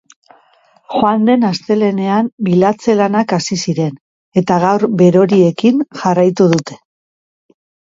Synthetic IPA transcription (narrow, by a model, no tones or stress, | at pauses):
xoand̪e̞nast̪e̞le̞ne̞ambilat͡se̞lanakasisiɾe̞n | e̞t̪aɣ̞awɾbe̞ɾo̞ɾie̞kinʝarajt̪uðut̪e̞̥